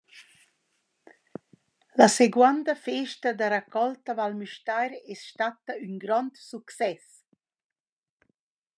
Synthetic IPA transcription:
laseɡwand̪əfeʃtəd̪aɾakʰɔlt̪avalmyʃtajɾesʃt̪at̪əyŋɡɾɔnt̪suksɛs

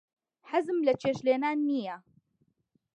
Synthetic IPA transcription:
ħazmlat͡ʃeːʃleːnaːnːija

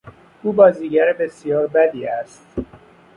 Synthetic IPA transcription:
ʔuːbɒːziːɟæɾbe̞sijɒːɾbæd̪iːæst̪

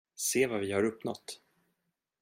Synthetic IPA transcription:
seːvavɪhaɾɵpnɔ̰t̪ː

